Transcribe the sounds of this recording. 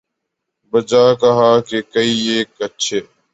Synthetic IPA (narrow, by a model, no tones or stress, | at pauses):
bəd͡ʒaːkəɦaːkekəiːeːkətːʃʰeː